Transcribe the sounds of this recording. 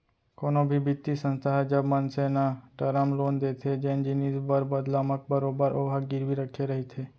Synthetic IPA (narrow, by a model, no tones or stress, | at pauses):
koːnõbʱibɪt̪ːisə̃nst̪ʰaɦɛd͡ʒəbmənsenaʈəɾəmloːnd̪eːt̪ʰed͡ʒend͡ʒinisbəɾbəd̪laːmək̚bəɾoːbəɾʔoːɦaɡɪɾbiɾəkʰːeɾɐɦet̪ʰeː